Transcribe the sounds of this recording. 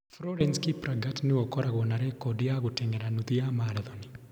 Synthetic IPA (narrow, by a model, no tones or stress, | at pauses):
fɾɔɾɛnskipɾaɡatneɔkɔɾaɣɔnaɾɛkɔdijaɣotɛŋɡɛɾanuðiamaɾaðɔni